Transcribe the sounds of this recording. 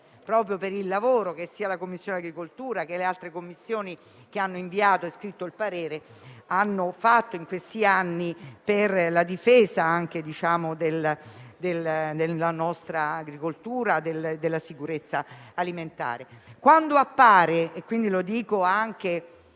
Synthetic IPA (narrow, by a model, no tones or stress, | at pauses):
pɾɔːpɾjopeɾilːavoːɾok̟esːiːalakomːisːjoːnaɡɾikolt̪uːɾak̟elealt̪ɾekomːisːjoːni | k̟eanːoiɱviaːt̪oeskɾit̪ːoilpaɾeːɾeanːofat̪ːoiŋkwest̪ianːiperlad̪ifeːzaaŋk̟ed̪it͡ʃaːmod̪eld̪eld̪elːanɔst̪ɾaːɡɾikolt̪uːɾad̪eld̪elːasikuɾet̪sːaːliment̪a̰ːɾekwand̪oapːaːɾeːkːwind̪ilod̪iːkoaŋk̟e